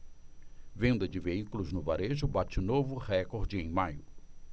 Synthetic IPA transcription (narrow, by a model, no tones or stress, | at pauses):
vẽnd̪ɐd͡ʒɪveikʊlʊznʊvaɾeʒʊbat͡ʃɪnovʊhɛkoɾd͡ʒɪẽj̃majʊ